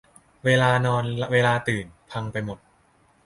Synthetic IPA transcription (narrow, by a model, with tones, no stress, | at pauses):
weː˧laː˧nɔː˧nweː˧laː˧t̪ɯː˨˩npʰa˧ŋpa˧jmo˨˩t̪̚